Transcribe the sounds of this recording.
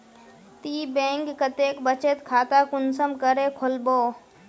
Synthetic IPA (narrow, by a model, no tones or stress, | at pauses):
t̪ibẽŋkːət̪ekbət͡ʃet̪kʰaːt̪akʊnsəmkəɾekʰolboː